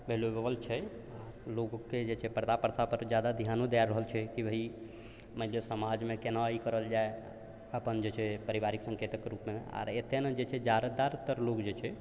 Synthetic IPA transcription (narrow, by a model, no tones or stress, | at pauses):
bʱelobəbəlt͡ʃʰɛ | a | loɡokːed͡ʒet͡ʃʰɛpɾəd̪apəɾt̪ʰapəɾd͡ʒjad̪ad̪iɦanod̪aɾəɦəlt͡ʃʰɛkibəɦi | məd͡ʒesəmad͡ʒmekenaikəɾəld͡ʒae | əpənd͡ʒet͡ʃʰɛpəɾibaɾiksə̃ŋket̪əkɾupmea̰ɾet̪ened͡ʒet͡ʃʰɛd͡ʒaɾəd̪aɾt̪əɾlokd͡ʒet͡ʃʰɛ